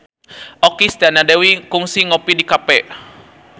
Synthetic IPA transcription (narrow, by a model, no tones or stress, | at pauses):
ɔkist̪anadewikuŋsiŋopidikapɛʔ